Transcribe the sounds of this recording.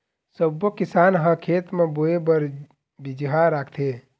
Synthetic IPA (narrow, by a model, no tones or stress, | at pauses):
səbːokisanɦəkʰet̪meboebəɾ | bid͡ʒɦaɾakʰt̪ʰe